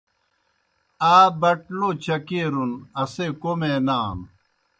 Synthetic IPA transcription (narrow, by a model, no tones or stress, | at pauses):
aːbɐʈlot͡ɕʰɐkeɾunɐsekomeːnaːm